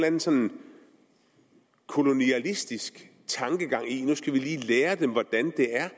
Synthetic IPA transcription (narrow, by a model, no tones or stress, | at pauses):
lænn̩sɒ̽nn | kʰo̝lo̝niælisd̥isɡ̥ | t͡sʰɑ̈ŋɡ̥əɡ̥ɑ̈ŋ̰inusɡ̥æʋiliːleːɐd̥emʋɒd̥ænd̥e̝æɐ